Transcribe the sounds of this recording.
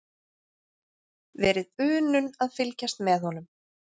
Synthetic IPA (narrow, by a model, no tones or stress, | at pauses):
vɛːɾɪðʏːnʏnaðfɪlcast̪mɛðhɔn̪ʏm